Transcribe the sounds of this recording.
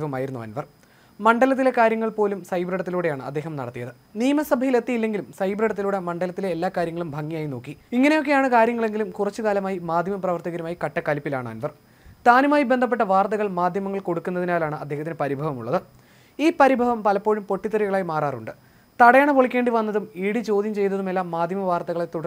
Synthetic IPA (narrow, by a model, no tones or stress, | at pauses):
ʋɐmaːjiɾunːuɐ̰nʋɐr | mɐɳɖɐlɐt̪̬ːile̞kaːɾjɐŋːɐɭpo̞ːlumsɐjbriɽɐt̪ːiluːɽe̞jaːɳɨɐ̰d̪ːe̞ːɦɐmnɐ̰ɽɐt̪ːijɐðɨ | niːɐmɐsɐbʱɐjile̞t̪ːijilːe̞ŋɡilumsɐjbriɽɐt̪ːiluːɽe̞mɐɳɖɐlɐt̪ːileːlːaːkaːɾjɐŋːɐɭumbʱɐŋːijaːjino̞ːkːiiŋːɐnejo̞kːejaːɳɨkaːɾjɐŋːɐɭe̞ŋɡilumkurɐt͡ɕːukaːlɐmaːjimaːd̪ʱjɐmɐprɐʋɐrt̪ɐɣɐɾumaːjikɐʈːɐkːɐlipːilaːɳɨɐ̰nʋɐr | t̪aːnumaːjibend̪ʱɐp̬ːeʈːɐʋaːrt̪ɐɣɐɭmaːd̪ʱjɐmɐŋːɐɭko̞ɽukːunːɐðinaːlaːɳɨʔɐd̪ʱːe̞ːɦɐt̪ːinepɐɾibʱɐʋɐmṵɭːɐðɨ | iːpɐɾibʱɐʋɐmpɐlɐpːo̞ːɻumpo̞ʈːit̪ːɐɾiɣɐɭaːjimaːraːruɳɖɨ | t̪ɐɽɐjaːɳɨpoɭikʲːe̞ːɳɖiʋɐnːɐðumiːɽit͡ɕo̞ːd̪ʱjɐmt͡ɕe̞jnɐðumelːaːmːaːd̪ʱjɐmɐʋaːrt̪ɐɣɐɭet̪oɽɐ